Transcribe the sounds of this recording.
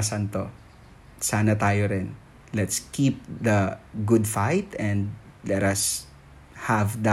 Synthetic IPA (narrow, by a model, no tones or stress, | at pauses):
sɐnt̪o | saːnɐt̪aːjoɾɪn | lɛt̪skip̚d̪ɐɡʊd̪fajt̪ɛ̃nd̪lɛɾɐs | hɐvd̪ɐ